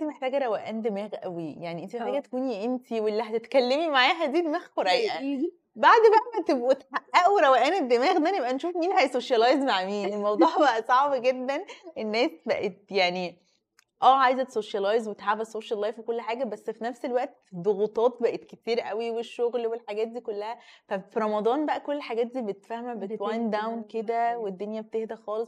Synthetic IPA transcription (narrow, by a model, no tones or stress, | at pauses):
ent̪imeħt̪æːɡæɾˤæwæʔæːnd̪emæːɣʔæ̰wijaʕniʔent̪imeħt̪æːɡæt̪e̥kuːniʔent̪ʰiwelːiɦæt̪et̪kælːemimaʕaːɦæd̪iːd̪emæːɣkoɾæjʔʔæ | baʕd̪bæʔæmæt̪ebʔut̪ħaʔːæʔuwɾˤæwæʔæːned̪ːemæːɣd̪ænebʔænʃuːfmiːnhæʔsoʃjɑlɑːjzmaʕmiːnmɑwd̪ˤuːħbæʔæsˤɑʕbɡed̪ːænʔenːæːsbæʔet̪̚jaʕni | ʔæːʕajzæt̪e̥soʃjɑlɑjzwet̪ħaːfæsoʃælːɑjfwekolːħaːɡæbæsːfinæfselwæʔt̪ | d̪ˤoɣut̪ˤɑːt̪̚bæʔet̪ket̪iːɾʔæwiweʃːoɣlwelħaɡæːt̪̚d̪iːkolːæhæfæfiɾˤɑmɑd̪ˤɑːnbæʔækolːħaɡæːt̪̚d̪iːbet̪et̪fæhmæbewɑjnd̪awnked̪æwed̪ːonjæbet̪ehd̪æxɑːlesˤ